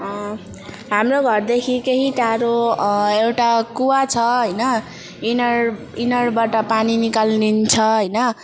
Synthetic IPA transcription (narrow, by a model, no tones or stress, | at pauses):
ɦamroɡʱʌrd̪ekʰikeɦiʈaɾoewʈakuwat͡sʰʌɦʌjnʌ | inʌr | inʌrbaʈʌpaninikalnint͡sʰʌɦʌjnʌ